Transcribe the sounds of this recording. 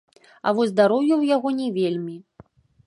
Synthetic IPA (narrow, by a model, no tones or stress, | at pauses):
a̰vɔzʲzd̪aɾɔwjuwjaɣɔnʲɛvʲelʲmʲi